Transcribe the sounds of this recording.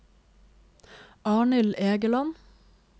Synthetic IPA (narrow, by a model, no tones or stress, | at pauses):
ɑːɳɪleːɡəlɑn